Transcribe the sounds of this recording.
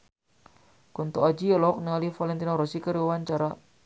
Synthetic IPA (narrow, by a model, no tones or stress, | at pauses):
kɔnt̪oad͡ʒiɔlɔɔk̚niŋalifalɛnt̪inɔɾɔsikəɾiwawaɲt͡ʃaɾa